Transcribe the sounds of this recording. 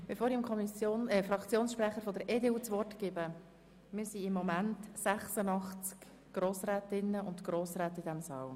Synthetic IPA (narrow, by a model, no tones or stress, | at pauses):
b̥efoːɾimkʰɔmisjoːnɛfɾɑkt͡sjoːnsʃpɾɛχəɾfɔd̪əɾʔeːdeːuːt͡sʋɔrtɡ̥ɪbə | mɪɾsiɪmːɔmæntsæχsənɑχt͡sk | ɡ̥ɾoːsɾɛːt̪ɪnːəʊntɡ̥ɾoːsɾɛːt̪id̪ɛmsɑ̰ːl